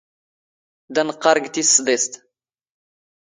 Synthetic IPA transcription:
d̪ænqːɑɾˤɡt̪isːd̪est̪

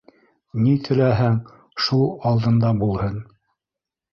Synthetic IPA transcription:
nit̪ʰɘ̆læɦæŋ | ʃulˠɑlˠd̪ɤ̆nd̪ɑbulˠhɤn

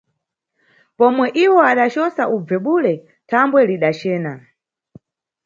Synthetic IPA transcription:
pɔmwɛʔiwɔaɗat͡ʃɔsaʔub͡vɛɓulɛ | tʰambwɛliɗat͡ʃɛːna

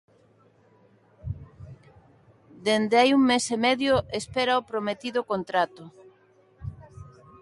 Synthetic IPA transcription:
d̪end̪eajuŋmesemɛðjoʔespɛɾaopɾomet̪iðʊkont̪ɾat̪ʊ

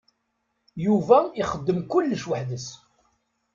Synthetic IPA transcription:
juvæiχəd̪ːəmkʊlːəʃwəħðəs

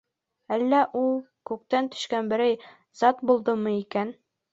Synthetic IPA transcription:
ælːæʔulˠ | kʉk̚t̪ænt̪ɵ̥̆ʃkænbɘ̆ɾæj | z̥ɑt̪bulˠd̪ɤmɤikæn

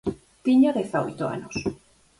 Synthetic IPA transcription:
t̪iɲoðeθao̰jt̪oa̰nos

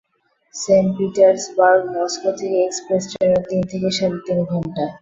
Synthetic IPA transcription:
seɳʈpiʈaɾsbaɾɡmɔskot̪ʰikekspɾesʈeneɾd̪int̪ʰekeʃaɾit̪inɡʱɔɳʈa

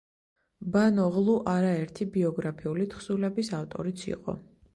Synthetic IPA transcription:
banɔʁlˠuʔaɾaɛɾt̪ʰibiɔɡɾapʰiulit̪ʰχsulɛbisaft̪ʼɔ̰ɾit̪sʰḭqʼɔ̰

